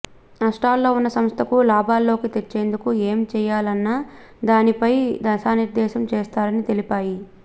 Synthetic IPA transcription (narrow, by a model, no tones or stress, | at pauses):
ɐsʈaːlːo̞ːunːɐsɐmst̪ʰɐkulaːbaːlːo̞ːkit̪et͡ʃːe̞ːnd̪ukueːmt͡ʃɛːjaːlɐnːaːd̪aːnipɐjd̪ɐsaːniɾd̪ɛːʃɐmt͡ʃɛːst̪aːɾɐnit̪e̞lipaːji